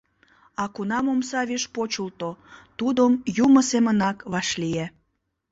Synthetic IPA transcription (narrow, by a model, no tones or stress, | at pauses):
ɑkunɑmomsɑβeʃpot͡ɕult̪ot̪ud̪omjuməsemənɑkβɑʃlie